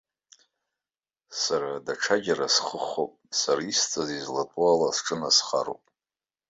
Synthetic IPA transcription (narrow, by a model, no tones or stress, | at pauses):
saɾadaʈ͡ʂʰaɡʲaɾasχəχopʼsaɾaist͡sʼazizlatʼualasʈ͡ʂʼɨnasχa̰ro̰wpʼ